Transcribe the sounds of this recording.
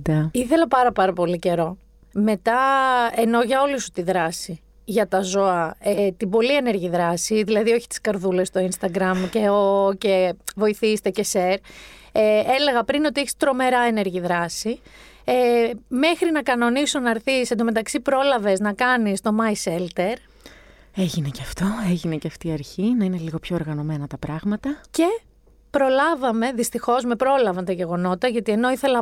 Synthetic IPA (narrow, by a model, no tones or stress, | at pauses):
d̪iθe̞lɐpɐɾɐpɐɾɐpo̞lice̞ɾo̞ | me̞t̪ɐe̞no̞ʝɐo̞lisu̥t̪iðɾɐsi | ʝɐt̪ɐzo̞ɐet̪ibo̞lie̞ne̞ɾʝiðɾɐsiðilɐðio̞çi̥t̪i̥skɐɾðule̞st̪o̞inst̪ɐɡɾɐmceoce̞vo̞iθist̪ece̞seɾeele̞ɣɐpɾino̞t̪ieçist̪ɾo̞me̞ɾɐe̞ne̞ɾʝiðɾɐsieme̞xɾinɐkɐno̞nisonɐɾθisend̪ome̞t̪ɐksipɾo̞lɐve̞znɐkɐnist̪o̞mɐjselt̪e̞ɾ | eʝineceɐft̪o̞eʝine̞ceɐft̪iːɐɾçinɐine̞liɣo̞pço̞oɾɣɐno̞me̞nɐt̪ɐpɾɐɣmɐt̪ɐce̞ | pɾo̞lɐvɐme̞ðist̪ixo̞zme̞pɾo̞lɐvɐnt̪ɐʝe̞ɣono̞t̪ɐʝɐt̪ie̞no̞iθe̞lɐ